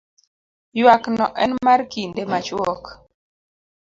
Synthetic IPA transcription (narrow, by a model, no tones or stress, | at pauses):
jwaknɔʔɛnmarkindemat͡ʃwɔk